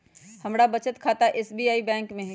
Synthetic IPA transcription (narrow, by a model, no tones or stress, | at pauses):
hɐmɾabɐt͡ʃət̪kʰaːt̪aʔeːsbiːaːibɛ̃ːŋkmẽɦ